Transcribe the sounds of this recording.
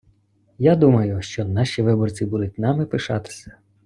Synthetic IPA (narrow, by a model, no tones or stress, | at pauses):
jad̪umɐjʊʃt͡ʃɔnɑʃiʋɪbɔrt͡sʲibʊlˠɪtʲnɑmɪpɪʃɑt̪ɪ̥sʲɐ̥